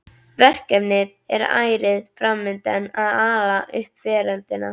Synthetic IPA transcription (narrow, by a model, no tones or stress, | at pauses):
vɛr̥kɛpnɪð | ɛɾa̰ːjɾɪðfɾamːɪnt̪ɛnaðaːlaʔʏhpvɛːɾant̪ɪna̰